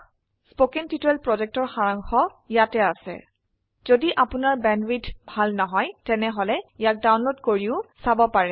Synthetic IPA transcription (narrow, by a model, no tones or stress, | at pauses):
spokintitɛlpɹɔd͡ʒɛk̚tɔɹxaɹaŋxɔ | jatɛasɛ̰ | zodiʔapʊnaɹbɛnɹidʰbʱalnɔɦɔjtɛnɛɦɔlɛjak̚dawnlodkoɹiʊsabɔpaɹɛ